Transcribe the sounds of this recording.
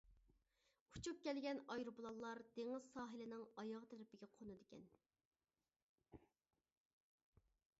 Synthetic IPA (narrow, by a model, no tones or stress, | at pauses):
ut͡ʃʰup̚kʲɛlɡʲɛnɑjɾubulˠɑlˠːɑɾd̪̥eŋɪz̥sɑːɦɪlɪnɪŋɑjɑʁt̪ʰeɾɪpɪɡʲɛqʰonɨd̪ɪkʲɛn